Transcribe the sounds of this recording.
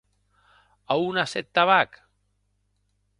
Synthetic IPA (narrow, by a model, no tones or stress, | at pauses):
aunasɛt̪ːaβak